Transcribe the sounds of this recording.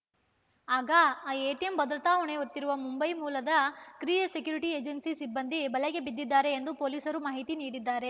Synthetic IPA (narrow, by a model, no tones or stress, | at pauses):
aːɡɐaːeːʈijembɐd̪ɾɐt̪aːɦɐɳeɦot̪ːiɾuʋɐmumbɐjmuːlɐd̪ɐkɾiːɐsekjuːɾiʈieːd͡ʒɐnsisibːɐnd̪ibɐleɡe̞bid̪ːid̪ːaːɾe̞ːnd̪upoːliːsɐɾumaːɦit̪iniːɽid̪ːaːɾe̞